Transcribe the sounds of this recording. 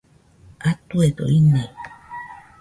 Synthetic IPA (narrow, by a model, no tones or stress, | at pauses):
at̪ued̪o̰ine